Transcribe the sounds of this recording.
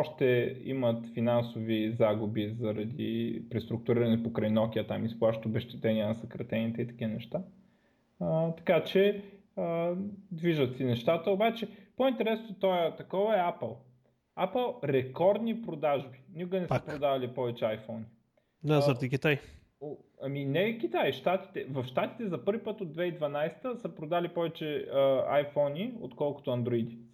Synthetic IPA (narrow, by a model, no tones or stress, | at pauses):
ɔʃt̪ɛḭmɐt̪finansovizaɡubizɐɾɐd̪ḭpɾɛst̪ɾʊk̚t̪ʊɾiɾɐnɛpokɾajnɔkʲiɐt̪a̰misplˠaʃt̪obɛʃt̪ɛt̪ɛnʲiənɐsɐkɾɐt̪ɛnit̪ɛit̪ɐ̥kʲivənɛʃt̪a | ət̪ɐ̥kat͡ʃɛ | əd̪viʒət̪sinɛʃt̪at̪əobat͡ʃɛpoint̪ɛɾɛsnoot̪ɔjt̪ɐkɔvəɛapəlˠ | apəlˠɾɛkɔɾd̪nipɾod̪aʒbinikoɡənɛsəpɾod̪avɐlipɔvɛt͡ʃɛajfɔni | nazəɾt̪ikʲit̪aj | oɐminɛkʲit̪ajʃt̪at̪i̥t̪ɛvɐfʃt̪at̪i̥t̪ɛzɐpɤɾvipət̪od̪vɛid̪vɐnajst̪əsəpɾod̪alipɔvɛt͡ʃɛa̰jfɔnio̰t̪kɔlˠko̥t̪oɐnd̪ɾoid̪i